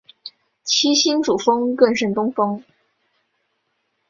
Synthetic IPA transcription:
t͡ɕʰi˥ɕi˥nʈ͡ʂu˨˩fɤ˥ŋkə˥˧nʂə˥˩t̪ʊ˥ŋfɤ˥ŋ

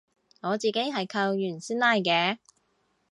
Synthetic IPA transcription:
ŋɔː˨˧t͡siː˨ke˥jɦɐ˨jkʰɐ˧wjyː˨˩nsiː˥nlaː˥jkɛː˨˧˥

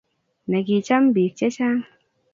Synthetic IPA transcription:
nɛ˨ki˨t͡ʃa˦mbi˨t͡ʃɛ˦t͡ʃa˦

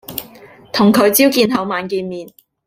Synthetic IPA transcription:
t̪ʰʊ˨˩ŋkʰɵ˨˧ɥt͡siː˥wkiː˧nɦɐ˨˥wmaː˨˧nkiː˧nmiː˨˧n

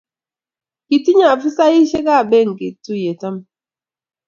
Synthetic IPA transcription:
ki˨ti˦ɲa˨fu˦sa˦i˦ʃe˦ka˦˨be˦˨ŋ̩˨ki˨tu˦je˨ta˦m

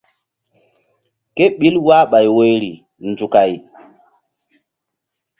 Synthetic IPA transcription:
ke˦ɓi˦lwa˦ɓa˨jwo˦jɾi˨ | nd͡ʒu˨ka˨j

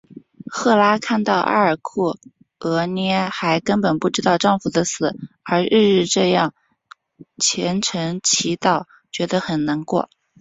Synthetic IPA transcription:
xɤ˥˩la˥kʰa˥˧nt̪ɑ˥˧ʊʔa̰˥˧˩ə˞˨˩kʰu˥˩ | ɤ˧˥njɛ˥xa˧˥ɪkə˥npə˨˩npu˥˩ʈ͡ʂɻ̩˥t̪ɑ˥˧ʊʈ͡ʂɑ˥˩ŋfu˨˩d̪ə˦sɹ̩˨˩˦ | ə˞˧˥ɻɻ̩˥˧ɻɻ̩˥˧ʈ͡ʂɤ˥˧jɑ˥˩ŋ | t͡ɕʰjɛ˧˥nʈ͡ʂʰɤ˧˥ŋt͡ɕʰi˧˥t̪ɑ˥˩ʊ | t͡ɕɥɛ˧˥d̪ə˧xə˨˩nna˧˥ŋkwɔ̰˥˩

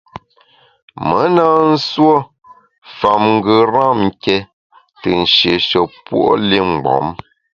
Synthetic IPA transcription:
mə˨˦naː˦n̩˦swo˦ | fa˨mŋ̩˦ɡə˨ɾa˦˨m̩˨kɛ˦ | tɨ˨n̩˨ʃje˨ʃɔ˨pwo̰˦li˦ŋ͡m̩˨ɡ͡bɔ̰˨˦m

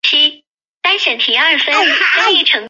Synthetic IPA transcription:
t͡ɕʰi˥ | t̪a˥nɕɛ˨˩nt̪ʰi˧˥ɐ˞˥˩fə˥nʈ͡ʂo˥i˧˥ʈ͡ʂʰɤ˧˥ŋ

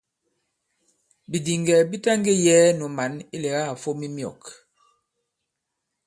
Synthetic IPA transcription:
bi˨di˨ŋɡɛ˨bi˦ta˦ŋɡe˦jɛ˨˦nu˨ma˨˦ni˦lɛ˨ɣa˦˨fo˦mi˦mjɔ̰˨k

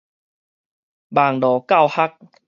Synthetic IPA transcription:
baː˨˩ŋdɔː˨˩ka˥˧˨wha˦˥k̚

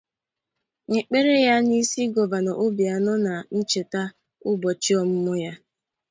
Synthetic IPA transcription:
ŋɪ˨k͡pe˦ɾe˦ja˦ni˦si˦ɡɔ˨va˨nɔ˨ʔʊ˦bja˨nɔ˦na˨n̩˦t͡ʃe˨ta˦ | ʊ˦bɔ˨t͡ʃi˦ɔ˨m̩˦mɔ˦ja˦

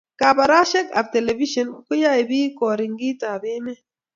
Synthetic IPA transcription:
ka˨ba˨ɾa˦ʃe˦ka̰˨fte˨le˨vi˦ʃɔ˦nku˦ja˦i˨biː˦ko˨ɾi˨ŋɡi˦ta˨bi˦mɛ˦

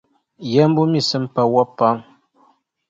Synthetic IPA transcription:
jɛ˦m˦bu˦mi˨sɨ˦mpa˨wɔ˦pːa˦ŋ

